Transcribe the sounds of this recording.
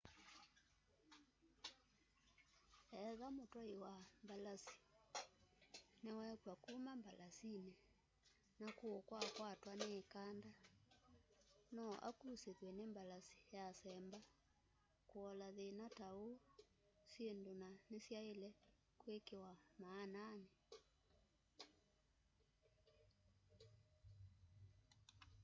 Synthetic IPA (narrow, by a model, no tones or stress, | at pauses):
ɛðamotɔewambalasi̥ | newɛkwakumambalasine | nakoɔkwakwatwanekanda | nɔʔa̰kusekwɛnembalasi̥jasɛmba | koɔlaðenatao | sjendonanesjaelɛ | kwekewamaːnane